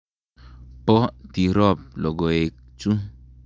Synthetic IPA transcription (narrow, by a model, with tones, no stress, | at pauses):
pɔ˦ti˨ɾɔ˦˨p̚lɔ˨ɡɔ˨e˨k̚ | t͡ʃu˦